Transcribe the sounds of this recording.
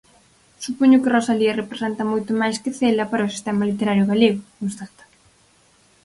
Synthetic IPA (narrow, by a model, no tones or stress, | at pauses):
supoɲʊkerosaliɐrepɾesɛnt̪ɐmojt̪ʊmajskɪθelɐpaɾɐosi̥st̪ɛmɐlit̪eɾaɾjʊɣaleɣʊkõnst̪at̪ḁ